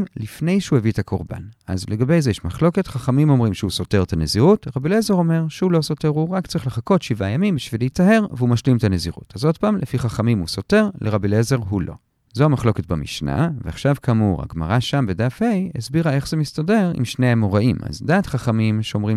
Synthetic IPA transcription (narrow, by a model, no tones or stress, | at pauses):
mlifne̞jʃehuevitakoʁba̰nʔa̰zleɡabe̞jzejeʃmaχlo̞ke̞tχaχamimo̞mʁimʃeuso̞te̞ʁt̪aneziʁutʁabilezeʁo̞me̞ʁʃehulo̞so̞te̞ʁhuʁakt͡sʁiχleχako̞tʃivajamimbiʃvileitaɦe̞ʁveumaʃlimtaneziʁṵtazo̞d̚paːmlʔefiχaχamimuso̞te̞ʁleʁabilezeʁɦulo̞̰ | zoamaχlo̞ke̞t̚bamiʃna̰veaχʃavkʰamuʁha̰ɡma̰ʁaʃambedafhejesbiʁae̞χz̥emistade̞ʁḭmʃnejemoʁaʔima̰zdaːtχaχamimʃeo̞mʁi